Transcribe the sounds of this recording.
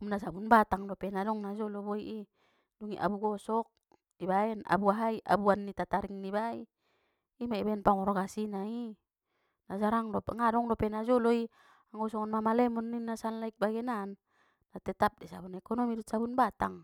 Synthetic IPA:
umnas̬abunbat̪aŋdopɛnadɔŋnad͡ʒoloboiʔi | duŋiʔa̰buɡɔsɔk̚ | ibaɛna̰buaɦaiʔa̰buanːit̪at̪aɾiŋnibaiː | maibaɛnpaŋɔɾoɡasinai | nad͡ʒaɾaŋdopŋadɔŋdopɛnad͡ʒɔloi | aŋɡɔsɔŋɔnmamalɛmɔnːinːasanlaik̚baɡɛnanː | at̪ɛt̪ap̚dɛsa̰bunɛkonomidut̪sabunbat̪aŋ

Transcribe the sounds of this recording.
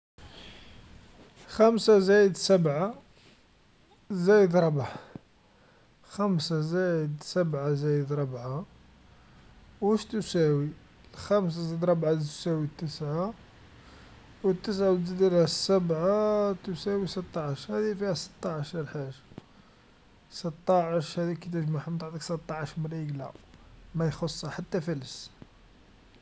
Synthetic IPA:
xæmsazæjəd̪səbʕa | zæjəd̪ɾˤɑbʕa | xæmsazæjəd̪səbʕazæjəd̪ɾˤɑbʕa | wæʃt̪usæwi | lxæms̬azæjəd̪ɾˤɑbʕat̪sæwit̪ːəsʕa | wət̪ːəs̬ʕawəd̪əlæsæbʕat̪usæwisət̪ˤːɑʕəʃhæd̪ifihæsə̥t̪ˤːɑʕəʃɑlħaʒa | sət̪ˤːɑʕəʃhæd̪ikit̪əʒmaħmt̪aʕt̪ˤəksət̪ˤːɑʕəʃməɾiɡlæ̰mæjxosˤːɑħat̪ːæfæləs

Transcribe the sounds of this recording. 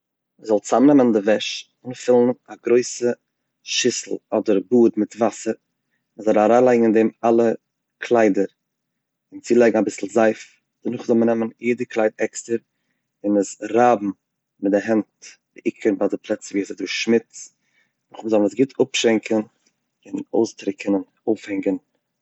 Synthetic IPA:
məzɔlˠt͡samnɛməndɪvɛʃ | ɪnfɪlˠn̩aɡɾoɪsə | ʃɪsl̩ˠɔdəɾbuːdmɪtvasəɾ | məzɔlˠaɾaːlˠaɪɡŋ̩ɪndɛmalˠə | kʰlˠaɪdəɾ | ɪnt͡silˠɛɪɡŋ̩abɪsl̩ˠzaɪf | d̥ənʊχzɔlˠmənɛmənjiːdəklˠaɪtɛkstəɾ | ɪnəsɾaːbm̩ | mɪtdɪɦɛntbɪʔɪkʰənbaːzdɪpʰlˠɛt͡səviːsɪdʊɾχʃmɪt͡s | nʊχməzɔlˠnəsɡɪtʰʊpʃɛŋkʰən | ɪnoʊstɾɪkʰənɪn | oʊfhɛŋɡən

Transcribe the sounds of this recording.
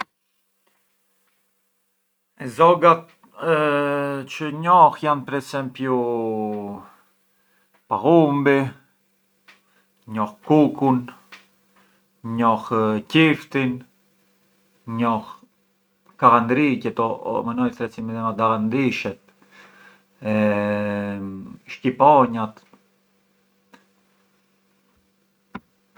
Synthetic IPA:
ɛzɔɡat̪̚ | t͡ʃəɲɔhjanpɛɾɛsɛmpju | paɣumbi | ɲɔhkukun | ɲɔhcift̪in | ɲɔx | kaɣand̪ɾicɛt̪o̰manɔlt̪ɾɛt͡simiðɛmad̪aɣand̪iʃɛt̪ | ʃkipoɲat̪

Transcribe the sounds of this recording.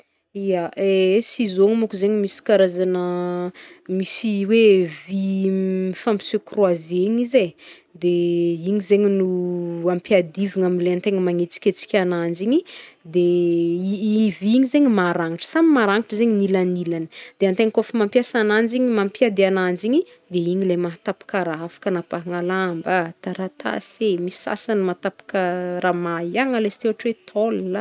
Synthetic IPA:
ijaʔesizoŋimukuzeɲimisi̥kaɾazanə | misiwevi | ifampi̥sokrwazeɲize | d̪eiɲizeɲinuampjad̪iviŋamileant̪eŋimaŋet͡si̥kʲet͡si̥kʲanand͡ʒiɲid̪eiiviɲizeɲimaɾaŋiʈ͡ʂə̥samimaɾaŋiʈ͡ʂəzeɲinilanilanəd̪̥eant̪eŋkofimampjasanand͡ziɲimampiad̪ianand͡ʒiɲi | d̪eiɲilemaɦat̪api̥kəɾaafḁkanapaŋalambat̪aɾat̪ʰa̰semisi̥sa̰sanmat̪api̥kəɾamaiaŋalesi̥t̪owaʈ͡ʂwet̪ʰolla

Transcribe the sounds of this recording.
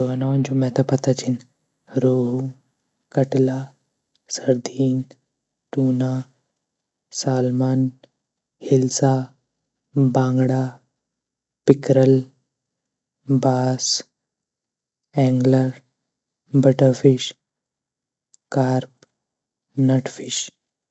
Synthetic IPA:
oʋanaʋɐnt͡ʃomɛt̪apɐt̪at͡ʃin | ɾoːɦu | kɐʈla | səɾd̪iːn | t̪uːna | saːlmaːn | hilsa | bãːŋɡɽa | pikɾəl | baːs | ɛ̃ŋɡləɾ | bəʈəɾfiɕ | kaɾp | nəʈfiɕ

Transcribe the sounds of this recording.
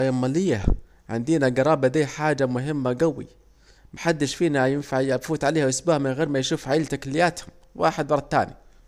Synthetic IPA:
jamːalɪjːa | ʕɪ̰nd̪iːnaɡɑɾˤɑːbad̪iːħaːd͡ʒamʊɦɪmːaɡawḭ | maħad̪ːɪʃfiːnajɪnfaʕjafuːt̪ʕaleːhawʔɪsbaːhmɪnɣeːɾmajʃuːfʕaʔɪːlt̪akalɪjːaːt̪hʊm | wʔaːħɪd̪wɑɾˤt̪a̰ːnḭ

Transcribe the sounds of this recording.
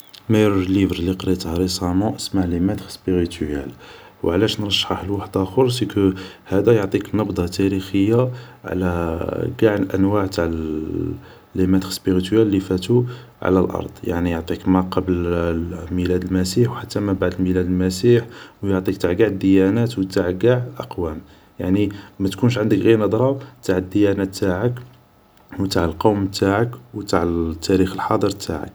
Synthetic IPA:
mæjɾlivɾliqɾit̪hɾˤəsˤɑmɑ̃ʔəsmaʕlimæd̪əxspiɣit̪æ̰lwʕlæʃnɾˤɑʃːħəħəlwaħəd̪æxoɾˤsikə | hæd̪æjoʕt̪ˤiknɑbd̪ˤɑt̪æɾixəjːaʕ̰læɡaʕnʔæ̰nwaʕt̪aʕ | lːimæd̪əxspiʁit̪ælːifæt̪u | ʕa̰lælʔɑ̰ɾˤd̪̥ˤja̰ʕnijoʕt̪ˤikmæqɑbl | milæd̪əlmæsiħwħat̪ːæmæbaʕd̪əlmilæd̪əlmæsiħwjoʕt̪ˤikt̪aʕɡaʕəd̪ːəjænæt̪wt̪aʕɡaʕʔɑ̰qwæm | jaʕnimæt̪kunʃʕənd̪əkɣiɾnɑd̪ˤɾˤɑt̪aʕəd̪ːəjænæt̪ːaʕək | wt̪aʕəlqowmt̪aʕəkwt̪aʕt̪ʰːæɾixəlħɑd̪ˤəɾt̪ʰa̰ʕə̰k

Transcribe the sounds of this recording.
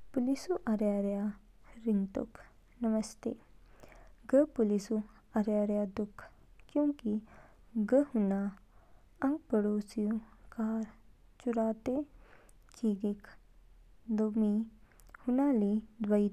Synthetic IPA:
pulisuʔaɾjaɾja | ɾiŋɡt̪ṵkʰ | nɐʋəst̪ḛ | ɡəpulisu | aɾjaɾjad̪ukʰː | kjũki | ɡəhuna | əŋɡpəɽosijukaɾ | t͡ʃuɾat̪e | kiɡik | d̪omi | hunalid̪ʋəi

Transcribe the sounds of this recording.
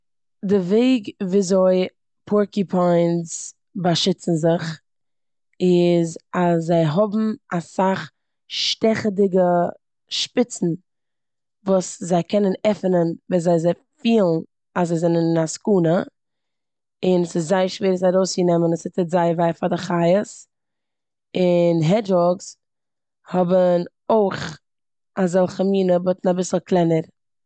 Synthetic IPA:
dɪveɪɡviːzoɪ | pʰɔɹkipʰaɪnz | baʃɪt͡sn̩zɪχ | ɪzasːaɪɦɔbm̩asaχ | ʃtɛχədɪɡə | ʃpɪt͡sn̩ | vuːszaɪkʰɛnənɛfənənvɛːzaɪzɛ | fiːlˠn | azaɪzɛnənɪnaskuːnə | ɪnəsɪszaɪəʃveːɾsaɾoʊsjənɛmənəsɪtɪtzaɪvaɪfadɪχaɪəs | ɪnɦɛd͡ʒɔɡs | hɔbən | oɪχ | azɔlˠχəmiːnəbɔtn̩abɪsl̩ˠklˠɛnəɾ

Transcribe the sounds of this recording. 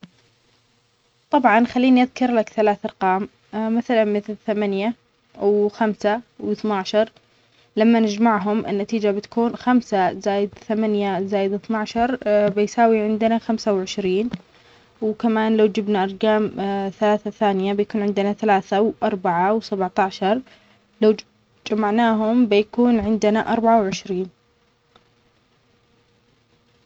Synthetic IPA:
t̪ˤɑbʕɑnxalːiːniʔaðkɑɾˤlakθalaːθɑɾˤqɑːm | maθalanmɪθlθamanja | wxamsawɪθnaʕʃɑɾˤ | lamːanɪd͡ʒmaʕɦʊmʔɪ̰nːat̪iːd͡ʒabɪt̪ḁkuːnxamsazaːjɪd̪θamanjazaːjɪd̪ɪθnaʕʃɑɾˤbɪjsaːwiʕɪnd̪naxamsawʕɪʃɾiːn | wkamaːnlawd͡ʒɪbnaʔɑɾˤɡaːmθalaːθaθaːnɪjabɪjakuːnʕɪnd̪ɪnaθalaːθawʔɑɾˤbaʕawsabʕt̪aʕʃɑɾˤ | law | d͡ʒamaʕnaːɦʊmbɪjakuːnʕɪnd̪ɪnaʔɑɾˤbaʕawʕɪʃɾiːn

